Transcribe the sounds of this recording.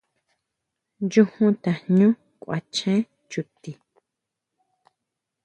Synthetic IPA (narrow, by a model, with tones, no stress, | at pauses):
nd͡ʒũ˦hũ˦t̪a˨ɲũ˦ | kʷʔa̰˨t͡ʃẽ˦ | t͡ʃu˨t̪i˨